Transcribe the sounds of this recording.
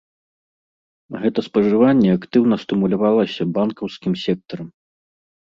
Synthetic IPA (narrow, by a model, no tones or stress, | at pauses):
ɣɛt̪ɐspɐʐɨvanʲːɛakt̪ɨwnɐst̪ɨmulʲavalˠɐsʲɐbankɐwskʲimsʲɛk̚t̪ɐɾɐm